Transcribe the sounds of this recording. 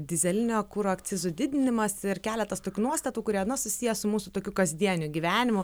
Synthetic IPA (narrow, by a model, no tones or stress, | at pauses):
d̪ʲɪzʲɛlʲɪnʲoːkuɾoːk̪t͡s̪ʲɪzʊd̪ʲɪd̪ʲɪnʲɪmɐsɪɾkʲæːlʲɛt̪ɐst̪oːkʲuːnuɔst̪ɐt̪uːkʊɾʲiɛnɐsʊsʲijɛsʊmuːsʊt̪oːkʲukɐzʲd̪ʲiɛnʲʊɡʲiʋʲæːnʲɪmʊ